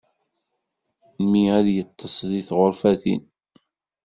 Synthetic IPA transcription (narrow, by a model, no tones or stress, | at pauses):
miæðjət̪ˤːəsˤðiθʁoɾfæθḭn